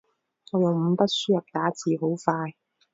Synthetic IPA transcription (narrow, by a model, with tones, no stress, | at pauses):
ŋɔː˨˧jʊ˨ŋm̩˨˧˥pɐ˥t̚syː˥jɐ˨p̚t̪aː˨˥t͡siː˨ɦo˨˥wfaː˧j